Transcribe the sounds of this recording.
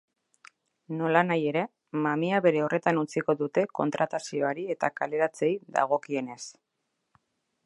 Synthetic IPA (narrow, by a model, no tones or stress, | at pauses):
no̞lanaje̞ɾe̞ | mamiaβe̞ɾe̞ore̞t̪anut͡siko̞ðut̪e̞ko̞nt̪ɾat̪asio̞aɾie̞t̪akale̞ɾat͡se̞jða̰ɣ̞o̞kie̞ne̞s